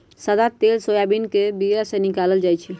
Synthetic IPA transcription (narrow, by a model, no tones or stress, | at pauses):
səd̪at̪elsojabinkebiasẽnikaləld͡ʒajt͡ʃʰɛ